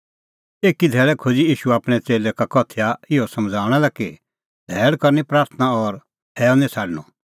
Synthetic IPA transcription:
eːkid̪ʱɛːɭɛkʰod͡ziiːʃuaːpɽ̃ɛt͡seːlɛkakɔt̪ʰjaɪɔsɐmd͡zʱaːɽ̃ɛlɛki | d̪̥ʱɛːɽkɐɾnipɾaːɾt̪ʰnaɔɾ | ɛːɔnĩsʰaːɖnɔ

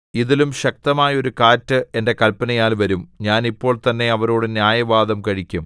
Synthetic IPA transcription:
iðilumɕɐk̚t̪ɐmaːjɐo̞ɾukaːtːɨʔe̞nde̞kɐlpɐnɐjaːlʋɐɾumɲaːnipːo̞ːɭt̪ɐnːe̞ɐʋɐɾoːɽɨnjaːjɐʋaːd̪ɐmkɐɻikʲːum

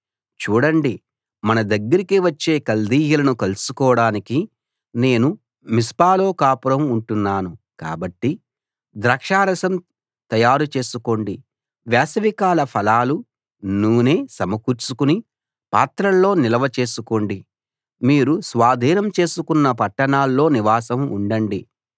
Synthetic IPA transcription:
t͡ʃuːɽɐɳɖi | mɐnɐd̪ɐɡːɐɾikiʋɐt͡ʃːe̞ːkɐld̪iːjɐlɐnukɐlusukɔːɐɽaːniki | ne̞ːnu | mispaːloːkaːpuɾɐmuɳʈunːaːnu | ka̰ːbɐʈːi | d̪ɾɐkʂaːɾɐsɐm | t̪ɐjaːɾut͡ʃe̞ːsuko̞ːɳɖi | ʋɛːsɐʋikaːlɐpʰɐlaːlu | nuːne̞ːsɐmɐkuɾt͡ʃukuni | paːt̪ɾɐllːo̞ːnilɐʋɐt͡ʃe̞ːsuko̞ːɳɖi | miːɾusʋaːd̪ʱiːnɐmt͡ʃe̞ːsukunːɐpɐʈːɐɳaːlːo̞ːniʋaːsɐmṵɳɖɐɳɖi

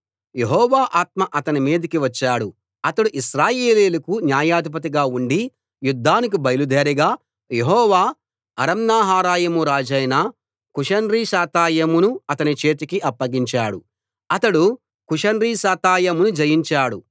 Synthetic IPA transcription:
jeɦɔːʋaːʔaːt̪̚mɐʔɐt̪ɐnimiːd̪ikiʋɐt͡ʃːaːɽu | ɐt̪ɐɽuʔiʃɾaːjeːleːlɐkunjaːjaːd̪ip̬ɐt̪̬iɡaːuɳɖi | jud̪ʱːaːnik̬ibɐjɐlud̪ʱeːɾiɡaː | jeɦɔːʋaː | ɐɾɐmnaːɦaːɾaːjɐmuɾaːd͡ʒɐjna | kuʂɐnɾiːʃaːt̪aːjɐmunuɐt̪ɐnit͡ʃe̞ːt̪̬ikiʔɐpːɐɡiɲt͡ʃaːɽu | ɐt̪ɐɽu | kuʂɐnɾiːʃaːt̪aːjɐmunud͡ʒɐjiɲt͡ʃaːɽu

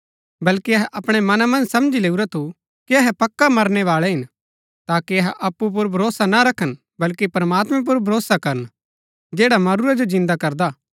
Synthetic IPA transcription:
bɐlkiɐɦɛʔɐpɽ̃ɛmɐnamɐ̃nd͡ʒsɐmd͡ʒileːuɾat̪ʰu | kiɐɦɛpɐkːamɐɾnɛʋaːɭɛɦɪn | t̪aːkiɐɦɛʔɐpːup̬ʊɾbʱɐɾoːsanaɾɐkʰən | bɐlkipɾɐmaːt̪mɛ̃p̬ʊɾbʱɐɾoːsakɐɾən | d͡ʒeːɽamɐɾuɾad͡ʒod͡ʒɪ̃nd̪akɐɾd̪aː

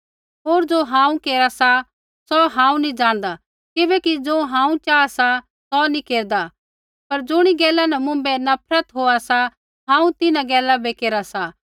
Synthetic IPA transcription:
ɦoːɾd͡ʒoːɦãːũkeːɾasa | sɔɦãːũnĩd͡ʒaːɽ̃d̪a | kɪbɛkid͡ʒoːɦãːũt͡ʃaːasa | sɔnikeːɾd̪a | pɐɾd͡ʒʊɽ̃iɡɛːlːanɐmʊ̃mbɛnɐpʰɾət̪ɦoːasa | ɦãːũt̪ɪnãɡɛːlːabekeːɾasa

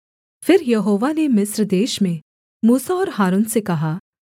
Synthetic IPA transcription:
fɪɾjɐɦoːʋanemɪsɾd̪eːʃmẽ | muːsaɔːɾɦaːɾuːnsekɐɦaː

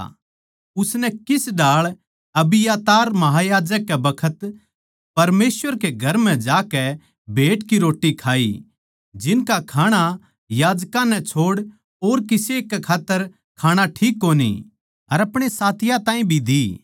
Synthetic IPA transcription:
ʊsnɛkɪsɖaːɭ | ɐbɪjaːt̪aːɾmɐɦajaːd͡ʒəkːɛbɐkʰət̪ | pɐɾmeːsʋəɾkeɡʱɐɾmɛ̃d͡ʒaːkɛ | bʱeːʈkiɾoːʈːikʰaːḭ | d͡ʒɪnkakʰaːɽ̃a | jaːd͡ʒkãnɛt͡ʃʰoːɽ | oːɾkɪsekːɛkʰaːt̪ːəɾ | kʰaːɽ̃aʈʰiːkːoːnḭ | ɐɾɐpɽ̃esaːt̪ʰɪjãt̪ãːĩbʱid̪i

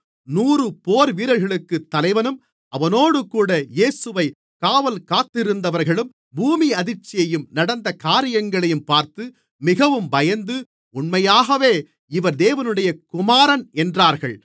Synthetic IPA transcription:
nuːrɯpoːɾʋiːɾɐlɣɐɭɯkːɯt̪ːɐlɐɪʋɐnɯm | ɐʋɐnoːɽɯkuːɽɐjeːsɯʋɐɪ | kaːʋɐlkaːt̪ːɪɾɯnd̪ɐʋɐɾɣɐɭɯm | buːmiɐðɪɾt͡ʃːɪjɐjɯmnɐɽɐnd̪ɐkaːɾɪjɐŋɡɐɭɐjɯmpaːɾt̪ɯ | mɪɣɐʋɯmbɐjɐnd̪ɯ | ʊɳmɐjaːɣɐʋeː | ɪʋɐɾd̪eːʋɐnɯɽɐjɐkʊmaːɾɐnɛndraːɾɣɐɭ

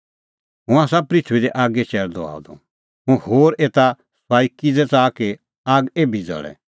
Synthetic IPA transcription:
ɦũaːsapɾitʰuid̪ɛʔaːɡɛt͡ʃɛɾd̪ɔ̰a̰ːd̪ɔ̰̃ | ɦũhoːɾeːt̪a | swaːikid͡zɛt͡saːke | aːɡeːbʱid͡zɔ̰ɭɛ̰

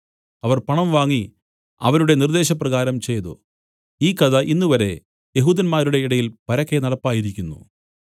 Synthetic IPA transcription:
ɐʋɐrpɐɳɐmʋaːŋːi | ɐ̰ʋɐɾuɽe̞nird̪e̞ːɕ̬ɐprɐɣaːɾɐmt͡ɕe̞jðṵ | iːkɐðɐʔinːuʋɐɾe̞̰ | jeɦuːd̪ɐnmaːɾuɽe̞iɽɐjilpɐɾɐkʰːe̞nɐɽɐpːaːjiɾikʲːunːṵ

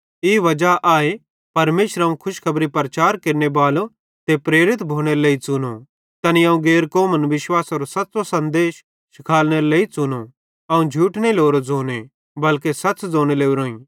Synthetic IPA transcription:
iːʋɐd͡ʒaʔaːe | pɐɾmeːʃəɾãũkʰʊʃkʰɐbɾipɐɾɐt͡ʃaːɾkeːɾnebaːlo | t̪epɾeːɾɪt̪bʱoːɽ̃eɾoleːit͡sʊno | t̪ɐniãːũɡeːɾkoːmənʋɪʃwaːsɐːɾosɐtːsosɐ̃nd̪eːʃ | ʃɪkʰaːlñeɾoleːit͡sʊno | ɐũd͡ʒʱuːʈneiloːɾod͡zoːne | bɐlkesɐtsd͡zoːɽ̃eleːuɾõːĩː

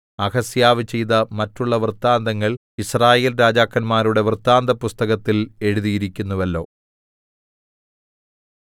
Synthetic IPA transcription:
ɐɣɐsjaːʋɨt͡ɕe̞jðɐmɐtːuɭːɐʋrt̪ːaːnd̪ɐŋːɐɭ | israːje̞ːlɾaːd͡ʑaːkːɐnmaːɾuɽe̞ʋɨrt̪ːaːnd̪ɐpust̪ɐɣɐt̪ːile̞ɻuðijiɾikʲːunːuʋɐlːo̞ː

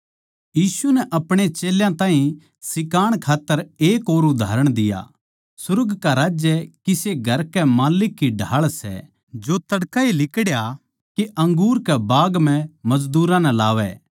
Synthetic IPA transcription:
jiːsunɛʔɐpɽ̃et͡ʃeːljãt̪ãːɦĩ | sɪkaːɽ̃kʰaːt̪ːəɾeːkoːɾʊd̪ʱa̰ːɾəɽ̃d̪ɪja̰ | sʊɾɡkaɾaːd͡ʒjəkiseɡʱɐɾkɛmaːlɪkːiɖʱaːɭsɛ̰ | d͡ʒot̪ɐɽkailɪkɽja | keʔɐ̃ŋɡuːɾkɛbaːɡm̤ɛ̃mɐd͡ʒd̪uːɾãnɛlaːʋɛ̰

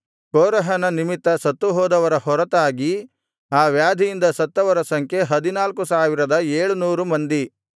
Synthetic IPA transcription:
kɔːɾɐɦɐnɐnimit̪ːɐsɐt̪ːuɦɔːd̪ɐʋɐɾɐɦɔɾɐt̪aːɡi | aːʋjaːd̪ʱijind̪ɐsɐt̪ːɐʋɐɾɐsɐŋkʰjeɦɐd̪inaːlkusaːʋiɾɐd̪ɐeːɭunuːɾumɐnd̪i

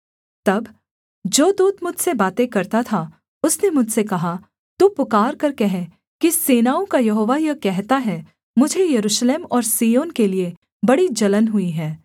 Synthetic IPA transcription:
t̪ɐb | d͡ʒoːd̪uːd̪mʊd͡ʒʱsebaːt̪ekɐɾt̪at̪ʰa | ʊsnemʊd͡ʒʱsekɐɦa | t̪uːpʊkaːɾkɐɾkeɦɛ | kiseːnaːõkajɐɦoːʋajɐkɛɦt̪aɦɛ | mʊd͡ʒʱejɐɾuːʃleːmɔːɾsiːjoːnkelie | bɐɽid͡ʒɐlənɦʊiɦɛː

